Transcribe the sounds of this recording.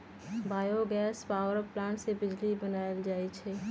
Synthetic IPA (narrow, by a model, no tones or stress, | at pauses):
baːjoɡɛːspaːʋəɾplãːnsebɪd͡ʒlibənaːjəld͡ʒaːit͡ʃʰeː